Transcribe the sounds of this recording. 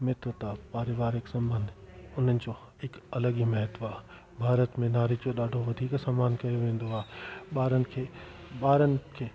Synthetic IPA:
mɪt̪ɾət̪apaːɾɪʋaːɾɪksɐ̃mbə̃nd̪ʊn̤ənɪ̆d͡ʑo | ɪkɐləɠimɐɦət̪aː | bʱaːɾət̪mẽnaːɾid͡ʑoɗaːɖʱoʋɐd̪ʱiːksaːmaːnkɐjoʋẽːn̆d̪oaːɦeɓaːɾənɪ̆kʰeː | ɓaːɾənɪ̆kʰeː

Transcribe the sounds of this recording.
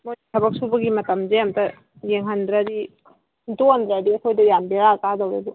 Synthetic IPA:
moitʰɐbɐk̚subɐɡimɐtɐmzejamtɐ | jeŋɦɐndɾaɾi | dondɾaɾiɐkʰojdɐjambeɾakadawɾebɔ

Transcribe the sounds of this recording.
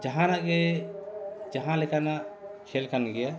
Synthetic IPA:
d͡ʒaɦãnaʔɡɛ | d͡ʒaɦãlɛkanaʔkʰɛlkanɡɛja

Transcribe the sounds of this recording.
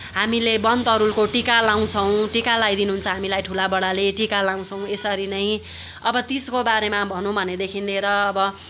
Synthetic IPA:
ɦamilebʌnt̪ʌɾulkoʈikalaw̃t͡sʰʌw̃ʈikalajd̪inuɦunt͡sʰʌɦamilajʈʰulabʌɽaleʈikalaw̃t͡sʰʌw̃esʌɾinʌj̃ | ʌbʌt̪iskobaɾemabʱʌnũbʱʌned̪ekʰinleɾʌːbʌ

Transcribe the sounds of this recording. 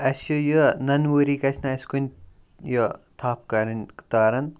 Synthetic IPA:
ɐsjujunɐnʋuɾiːkɐsʰnɐɐsʲkunʲ | jot̪ʰaːp̚kɐɾɐnkt̪aːɾɐn

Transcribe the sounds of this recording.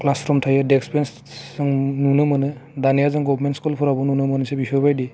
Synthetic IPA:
klaspʰɾɔmtʰajadɛkspɛns | zaŋnunɯmanɯdanijazaŋɡɔbʱmentskulpʰɔɾabɔnunɯmanɯsebisɔbajdi

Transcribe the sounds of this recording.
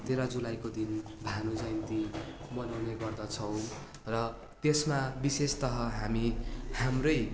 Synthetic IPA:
t̪eɾad͡zulajkod̪inbʱanud͡zajnt̪imʌnawneɡʌrd̪ʌt͡sʰʌw̃ | rʌ | t̪esmabisest̪ʌɦʌɦamihamrʌj

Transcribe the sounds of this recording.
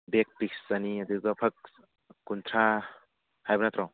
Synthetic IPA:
bek̚pik̚saniɐd̪ɯɡɔpʰɐk̚ | kunt̪ʰɾa | hajbɯnat̪ɾaw

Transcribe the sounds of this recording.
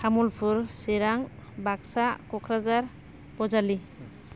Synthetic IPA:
kʰamulpʰuɾseɾaŋbaksakɔkʰɾazaɾ | bɔzali

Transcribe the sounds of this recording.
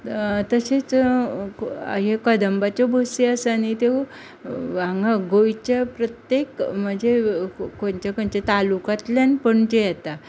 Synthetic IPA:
t̪əset͡s | a̰ɦekəd̪əmbat͡ɕɔbʱoseasanit̪e | ʋaŋɡaɡojt͡ɕapɾət̪jekm̤əɳd͡ʑʱekoɳt͡ɕakəɳt͡ɕet̪alukat̪ljanpəɳd͡ʑejɛt̪a

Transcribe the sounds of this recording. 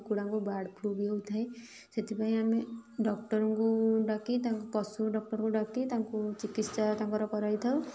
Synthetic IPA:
kuɽaŋkubaɽpʰubiewt̪ʰaẽ | set̪ʰipaĩameɖɔk̚ʈɔɾɔŋkuɖakit̪aŋkukɔsuɖɔk̚ʈɔɾɔ̃ŋkuɖakit̪aŋkut͡ʃikit̪sat̪ãŋkɔɾɔkɔɾajt̪ʰaw

